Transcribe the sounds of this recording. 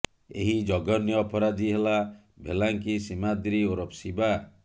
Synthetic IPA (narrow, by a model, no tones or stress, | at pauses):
ḛɦid͡ʒɔɡɔnjɔːpɔɾad͡ʒiɦela | bʱḛlaŋkisimad̪ɾioɾɔpsiba